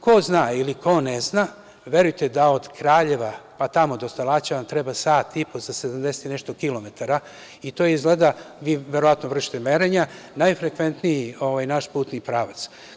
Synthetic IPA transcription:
ko̞znailikʰo̞nezna | ʋe̞ɾujt̪ed̪ao̞d̪kɾaːʎe̞ʋapat̪amo̞d̪ost̪alˠat͡ɕaʋamt̪ɾebasaːt̪ːipozased̪amd̪eset̪inɛʃt̪o̞kilo̞met̪aɾa | it̪o̞izɡled̪aʋiːʋeɾo̞ʋat̪noʋr̩ʃi̥t̪emeɾeɲa | najfɾe̞kʋe̞nt̪nijio̞ʋajnaʃpuːt̪nipɾaʋat̪s

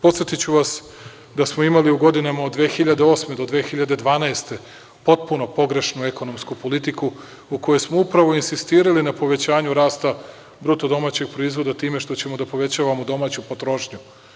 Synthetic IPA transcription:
po̞t̪sjet̪it͡ɕuʋas | d̪asmoimaliuɡo̞d̪inamaod̪ːʋe̞ːxiʎad̪eo̞ːsme̞d̪od̪ʋeːxiʎad̪e̞d̪ʋaːnaest̪e̞ | po̞t̪̚puno̞po̞ɡɾe̞ʃnueko̞no̞mskupo̞lit̪iku | uko̞jesmoupɾaʋo̞insist̪iːɾalinapo̞ʋe̞t͡ɕaːɲuɾaːst̪a | bɾut̪od̪o̞maːt͡ɕe̞ɡ̚pɾoizʋo̞d̪at̪iːme̞ʃt̪o̞t͡ɕe̞mo̞d̪apo̞ʋe̞t͡ɕaːʋamod̪o̞maːt͡ɕupo̞t̪ɾo̞ʃɲu

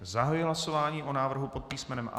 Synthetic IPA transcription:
zaɦajujɪɦlaso̞vaːɲiːʔo̞naːvr̩ɦupo̞t̪̚piːsmɛnɛmʔa̰

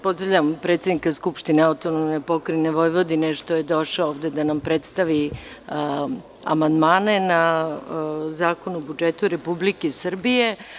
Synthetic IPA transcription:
po̞zɾaʋʎampɾet̪sed̪nikaskupʃt̪ineaut̪onomnepokɾineʋojʋo̞d̪ineʃt̪ojed̪o̞ʃaooːvd̪e̞d̪anampɾe̞t̪st̪aʋi | a̰mand̪maːne̞na | zaːkonuobud͡ʒet̪uɾepublikesr̩bije̞

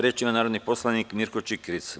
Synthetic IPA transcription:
ɾjeːt͡ʃimanaːɾod̪nipo̞slˠanikmiɾkot͡ʃikɾit̪s

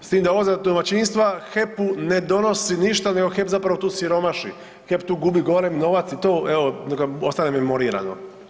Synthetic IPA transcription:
st̪iːmd̪aoozad̪omat͡ɕinst̪ʋaxe̞pune̞d̪o̞no̞siniʃt̪ane̞ɡo̞xepzapɾaʋo̞t̪uːsiɾo̞maʃḭ | xe̞pt̪uːɡubiɡo̞lemno̞ʋat̪sit̪oːʔeonekost̪anememo̞ɾiːɾa̰no

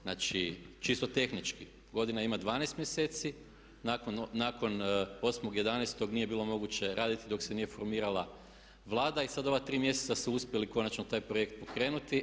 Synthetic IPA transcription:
znaːt͡ʃit͡ʃist̪o̞t̪e̞xnit͡ʃki | ɡo̞d̪inaimad̪ʋaːnest̪mjeseːt̪si | nakonːako̞no̞smoɡje̞d̪anest̪o̞ɡnije̞biːlo̞mo̞ɡut͡ɕe̞ɾʔaːd̪it̪id̪o̞ksenije̞fo̞ɾmiːɾalˠa | ʋlˠaːd̪aisad̪o̞ʋat̪ɾiːmje̞set̪sasuuspʲjeliko̞nat͡ʃnot̪aːjpɾoje̞kt̪̚po̞kɾe̞ːnut̪i

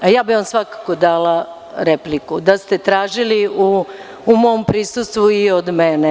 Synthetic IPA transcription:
ajaːbiʋansʋakḁkod̪aːla | ɾeplikud̪ast̪et̪ɾaːʒiliuː | mo̞ːmpɾisust̪ʋuiod̪mene

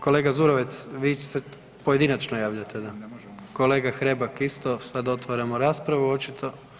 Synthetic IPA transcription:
ko̞le̞ːɡazuɾoʋet̪sʋiːt͡ɕe̥se | poje̞d̪inat͡ʃnojaːʋʎat̪ed̪ako̞le̞ːɡaxɾe̞bakist̪o̞sad̪o̞t̪ʋaɾamoɾaːspɾaʋuo̞t͡ʃit̪ʰo̞

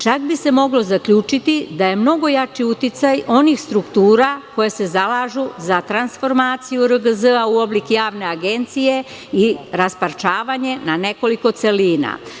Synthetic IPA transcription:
t͡ʃakbise̞mo̞ɡlo̞zakʎuːt͡ʃit̪id̪aje̞mno̞ɡo̞jat͡ʃiut̪it̪sajo̞nixst̪ɾukt̪uːɾako̞jese̞zalaːʒuzat̪ɾansfo̞ɾmaːt̪sijuɾəɡəzəauo̞blikjaːʋne̞aɡe̞nt̪sije̞ | iɾaspaɾt͡ʃaːʋaɲe̞nane̞ko̞liko̞t̪se̞liːna̰

